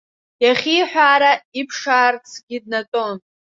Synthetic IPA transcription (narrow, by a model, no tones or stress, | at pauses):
jaχʲijħʷᶣaːɾaipʰʂaːrt͡sʰɡʲid̚natʼon